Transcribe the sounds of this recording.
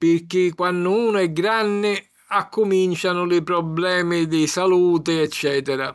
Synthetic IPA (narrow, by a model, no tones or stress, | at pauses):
pɪrkɪkːwanːʊuːnʊɛɡːɾanːɪ | akːʊmint͡ʃanʊlɪpɾɔblɛːmɪd̪ɪsaluːt̪ɪɛt͡ʃːɛːt̪ɛɾa